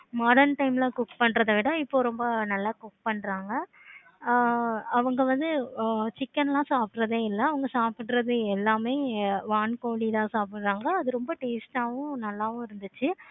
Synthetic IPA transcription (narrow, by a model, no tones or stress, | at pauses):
mɔːɽɐɳʈɐɪmlãːkʊkpɐɳɾɐðɐʋɪɽɐ̃mɪpːoːɾɔmbɐnɐlːaːkʊk̚pɐɳːɾaːŋɡɐ | ɐʋɐŋɡɐʋɐnd̪ɯt͡ʃɪkːɐnlãːsaːp̚ɾɐðeːɪlːɐɐʋɐŋɡɐsaːpɪʈɾɐðɯɛlːaːmeːʋaːnkoːɽiðãːsaːpɪʈɾaːŋɡɐːðɯɾɔmbɐʈeːsʈaːʋʊ̃nɐlːaːʋʊ̃ɪɾɯnd̪ɯt͡ʃːɯ